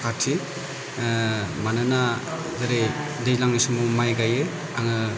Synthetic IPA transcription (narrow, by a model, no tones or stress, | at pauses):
kʰatʰi | manana | dɯɾe | dejlaŋnisumɔmajɡajɯ | aŋɯ